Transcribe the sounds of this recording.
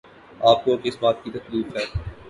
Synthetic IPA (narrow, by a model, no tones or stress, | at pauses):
aːp̚koɐkɪsbaːt̪̚kit̪ɐkliːfɦɛː